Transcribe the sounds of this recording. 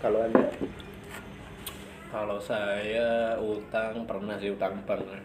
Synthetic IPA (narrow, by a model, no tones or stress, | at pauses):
kaloanda | kalosajaut̪aŋpərnahsɪut̪aŋb̥aŋ